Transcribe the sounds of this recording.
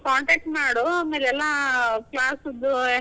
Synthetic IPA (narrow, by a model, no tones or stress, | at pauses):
kaːɳʈeːk̚ʈmaːɽumiɾɛlːaːklaːsud̪ːu